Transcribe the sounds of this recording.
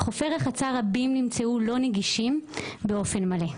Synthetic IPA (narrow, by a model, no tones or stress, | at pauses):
χo̞feʁeχat͡saʁabimnimt͡seulo̞neɡiʃimbe̞o̞fe̞nmale̞